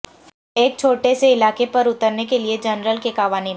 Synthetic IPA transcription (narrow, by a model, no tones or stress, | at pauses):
eːk̚t͡ʃʰoːʈeseɪlaːkepɐɾʊt̪əɾnekelied͡ʒɐnɾəlkekaːʋaːni